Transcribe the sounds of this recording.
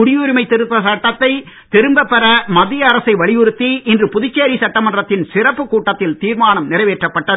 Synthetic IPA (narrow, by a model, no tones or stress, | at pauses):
ʊɽɪjuːɾɪmɐɪt̪ːɛɾɯt̪ːɐsɐʈːɐt̪ːɐɪ | t̪ɛɾɯmbɐpːɐɾɐmɐðɪjɐːɾɐsɐɪʋɐɭɪjɯɾɯt̪ːiʔɪndrɯpʊðɪt͡ʃːeːɾisɐʈːɐmɐndrɐt̪ːɪnsɪrɐpːɯkuːʈːɐt̪ːɪlt̪iːɾmaːnɐmnɪrɐɪʋeːʈrɐpːɐʈːɐðɯ